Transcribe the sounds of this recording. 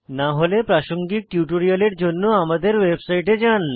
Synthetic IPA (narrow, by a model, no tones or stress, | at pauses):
naɦolepɾaʃoŋɡik̚ʈjuʈoɾialeɾd͡ʑonːoamad̪eɾwebsajʈed͡ʑan